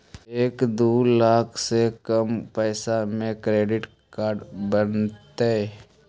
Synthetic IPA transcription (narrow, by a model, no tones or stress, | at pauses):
eːkd̪oːlaːkʰsekəmpɛːsamẽkɾeːɖɪʈ | kaːɾɖbənt̪ee